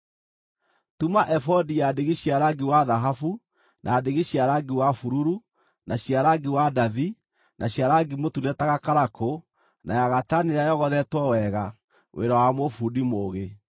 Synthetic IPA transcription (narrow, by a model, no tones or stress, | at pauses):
tumaʔɛfɔdijadeɣiɕjaɾaɡiwaðaɦafu | nʔaːdeɣeɕjaɾaɡiwafuɾuɾu | nʔaɕjaɾaɡiwadaði | nʔaɕjaɾaɡimotunɛtaɣakaɾako | nʔajaɣataneɾajɔɣɔðɛtwɔwɛɣa | wʔḛɾawamofudimoːɣe